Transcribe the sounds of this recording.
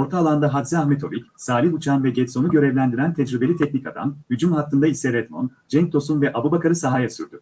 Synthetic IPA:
o̞ɾt̪ʰaːlˠand̪aɦad̪ziaxmet̪ʰo̞vicsaːlʲiɦut͡ʃʰanvɛɟɛt̪so̞nuɟø̞ɾɛvlʲænd̪iɾænt̪ʰɛd͡ʒɾibe̞lʲit̪ʰɛc̚nʲica̰d̪a̰mhyd͡ʒymhak̪ːɯnd̪aisɛɾɛt̪mo̞̰nd͡ʒɛɲ̚t̪ʰo̞sunvɛʔabubakaɾɯsaɦajasyɾd̪y

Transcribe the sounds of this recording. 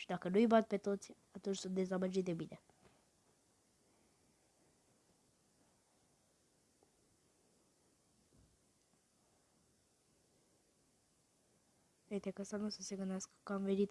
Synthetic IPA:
ʃid̪akənujbat̪̚pe̞t̪o̞t̪sʲat̪unt͡ʃʲsunt̪d̪e̞zabəd͡ʒit̪̚d̪e̞bine | eit̪ekast̪anusəseɡɨnd̪easkə̥kːəamve̞nit̪

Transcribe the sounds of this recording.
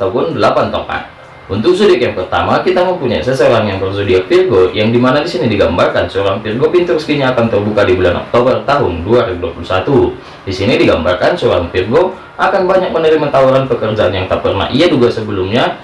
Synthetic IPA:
t̪aupʊndəlapant̪o̰ka̰n | unt̪ʊk̚sudɪk̚jaŋpərt̪a̰makit̪aməmpuɲajsəsəɾanjaŋpərsədiapirɡojaŋdimanadisinidiɡambarkansəoɾaŋpirɡopint̪ʊɾsə̥t̪iɲaːkant̪ərbukadibulanɔ̰k̚t̪obərt̪aɦʊnduaɾiŋ̚duapulusat̪u | disinidiɡamba̰rkansəoɾaŋpirɡo | ʔakanbaɲak̚mənəɾimat̪auɾanpəkərd͡ʒaanjaŋt̪ap̚kərna̰ʔiaduɡasəbəlʊmɲa

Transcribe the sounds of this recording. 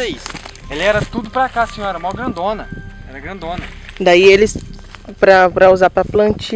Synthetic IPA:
eselɪɛɾɐt̪ud̪ʊpɾakasĩõɛɾɐumawɡɾɐ̃nd̪õnɐ | ɛɾɐɡɾɐ̃nd̪õnɐd̪aielɪs | pɾɐpɾɐuzaɾpɾɐplɐ̃t͡ʃi

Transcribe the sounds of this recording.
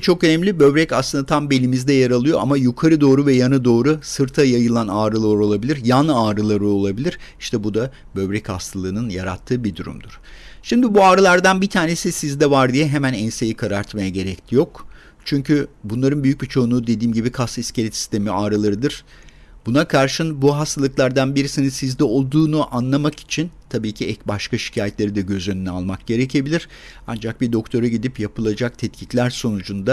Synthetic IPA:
t͡ʃʰo̞kø̞nɛmlʲibø̞βɾɛcaslˠɯnd̪at̪ʰambe̞lʲimizd̪ɛjaɾalˠɯjo̞ʔamajukʰaɾɯd̪o̞ːɾuvɛjanɯd̪o̞ːɾusɯɾt̪ʰajajɯlˠanaːɾɯlˠaaɾo̞lˠabilʲiɾjanaːɾɯlˠaɾɯo̞lˠabilʲiɾiʃt̪ʰɛbud̪a | bø̞βɾɛchast̪ʰalˠɯːnɯnja̰ɾa̰t̪ʰːɯːbid̪uɾṵmd̪uɾ̥ʃimd̪ibuaːɾɯlˠaɾd̪anbit̪ʰaːne̞sisizd̪ɛvaɾd̪ijɛɦemænɛnsejikʰaɾaɾt̪majaɟe̞ɾɛclʰʲijo̞k | t͡ʃʰyɲcʰybunlˠaɾɯnbyjyc̚ʲbit͡ʃʰo̞unud̪e̞d̪iːmɟibikʰast̪iscelʲɛt̪si̥st̪ʰe̞miaːɾɯlˠaɾɯd̪ɯɾ̥ | bunakʰaɾʃɯnbuɦast̪ʰalˠɯklˠaɾd̪anbiɾisininsizd̪ɛo̞lˠd̪uːnuʔanlˠamaki̥t͡ʃʰint̪ʰabiːcʰiɛcbaʃkaʃi̥cʰaːjɛt̪lʲe̞ɾid̪ɛɟø̞zønynyalˠmak̚ɟ̥e̞ɾecʰe̞bilʲiɾ̥ | a̰nd͡ʒak̚bid̪o̞kt̪ʰo̞ɾaɟid̪ipjapʰɯlˠad͡ʒak̚t̪ʰɛt̪cʰiclʲæɾso̞nud͡ʒund̪a

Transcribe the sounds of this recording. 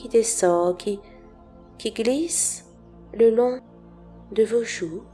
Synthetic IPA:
id̪esɔ̃kʲʰi | kʲiɡlis | ləlɔ̃ | d̪əvoʒu

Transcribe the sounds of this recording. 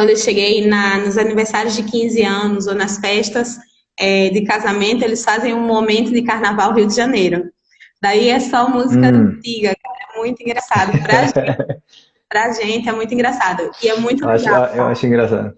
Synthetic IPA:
kɐ̃d̪ewʃeɡejnɐnʊzaniveɾsaɾjʊzd̪ɪkĩzɪɐ̃nʊzonɐsfɛʃt̪ɐs | ɛd̪ɪkazamẽnt̪ʊelɪsfazẽj̃ũmomẽnt̪ʊd̪ɪkaɾnavawɦiwd̪ɪʒɐnejɾʊ | d̪aiɛsɔmuzikɐʊ̃t̪iɡɐkaɾɐɛmũj̃t̪ʊĩɡɾasad̪ɐpɾaʒ | pɾɐʒẽnt̪ɪɛmũj̃t̪ĩŋɡɾasad̪ɐɪɛmũj̃t̪ʊaʃaewa̰ʃʊĩɡɾasa̰d̪ʊ

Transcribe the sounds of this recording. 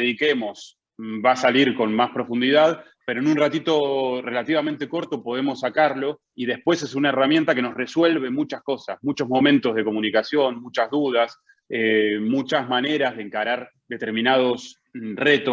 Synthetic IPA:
eðikemo̞s | basaliɾko̞nmaspɾo̞fund̪iðað | pe̞ɾoenunrat̪it̪o̞re̞lat̪iβament̪e̞ko̞ɾt̪o̞po̞ð̞e̞mo̞sːakaɾlo̞ | iðe̞hpwe̞se̞sunaeramje̞nt̪ake̞no̞sre̞swe̞lβe̞mut͡ʃasko̞sa̰smut͡ʃo̞zmo̞mẽnt̪o̞zð̞e̞ko̞munikasjo̞nmut͡ʃazðuð̞as | emut͡ʃazmane̞ɾazð̞eŋkaɾaɾ | d̪et̪e̞ɾmĩnað̞o̞s | re̞t̪o

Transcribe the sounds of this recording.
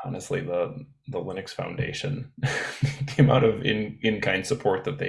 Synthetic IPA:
ɑ̰nɨstˡliðə | ðəlɪ̃nɨksfã̰ʊ̃ndḛɪʃɨ̰̃n | kʰẽɪ̃maʊɾʌvɪ̰̃nɨ̃nkʰãɪ̃nd̥səpʰɔɹt̪̚ðɨt̪̚ðeɪ

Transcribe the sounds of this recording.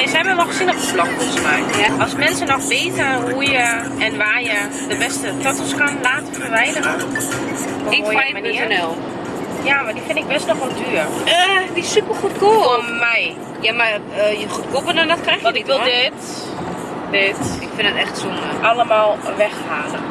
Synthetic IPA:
ɪsɛjmənɔxsɪnəxəslɔkosmajɔsmɛnsənɔxʋeːtəɦujə | ɛnʋaːjə | dəbɛstətɔtəskanlaːtəfəʋɛjnəɔn | ʋɔɪkːjmɛjmaniənɛlˠ | jamadifɪnɪk̚bɛsnɔxontʰyːərədisypəxutkumɛj | jamarəjəχutkopənɔnɔtkrɛjxɔɪkʋɪlˠdɪt | dɪtɪkfɪndətɛxtsunʔaləmalˠʋɛxhaːlə

